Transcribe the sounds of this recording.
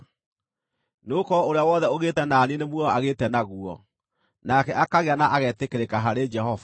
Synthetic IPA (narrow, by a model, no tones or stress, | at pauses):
neokɔoɾeawɔːðɛoɣetɛnaːninemwɛɔaɣetɛnaɣuɔ̰ | nakɛʔakaɣeanaʔaɣɛtekeɾekaɦaɾed͡ʒɛhɔva